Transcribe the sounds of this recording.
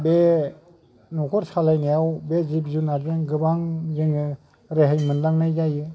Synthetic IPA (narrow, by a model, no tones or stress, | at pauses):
be | nɔkʰɔɾsalajnajawbezip̚zunaɾzeŋɡɯbaŋzeŋɯ | ɾeɦajmɯnlaŋnajɡajɯ